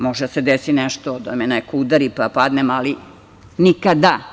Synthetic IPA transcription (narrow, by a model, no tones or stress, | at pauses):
moʒed̪ased̪esineʃt̪od̪a̰menekoud̪aɾipapad̪nemali | nikad̪a